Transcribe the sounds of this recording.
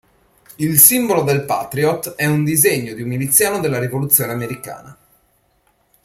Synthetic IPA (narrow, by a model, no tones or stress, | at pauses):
ilsimbolod̪elpa̰t̪ɾiɔt̪ɛund̪izeɲːod̪iummilit̪sːjaːnod̪elːaɾivolut̪sːjoːneameɾika̰ːna̰